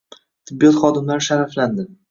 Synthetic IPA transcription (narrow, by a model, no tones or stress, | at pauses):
t̪ʰɪbːijɒt̪χɒd̪ɪmlaɾɪʃaɾafland̪ɪ